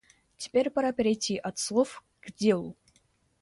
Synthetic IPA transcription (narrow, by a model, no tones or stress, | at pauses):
tʲe̥pʲerʲpɑɾapʲeɾʲejtʲiʔɐt̪slˠof | ɡ̥dʲeu